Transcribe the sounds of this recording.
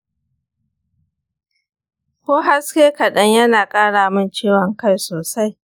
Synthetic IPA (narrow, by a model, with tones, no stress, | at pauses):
kʷoː˦ɦa˦skʲeː˦kɐ˨ɗɐ˦ɲjɐ˦naː˨kʼaː˦ɽaː˨mɪ˦nt͡ʃeː˦˨wɐ˨ŋka˦jsoː˨sa˦j